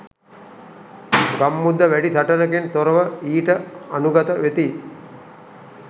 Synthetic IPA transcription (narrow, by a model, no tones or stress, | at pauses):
ɡamːud̪ːəʋæɖisɐʈɐnəkent̪oɾəʋəiːʈəanuɡɐt̪əʋet̪i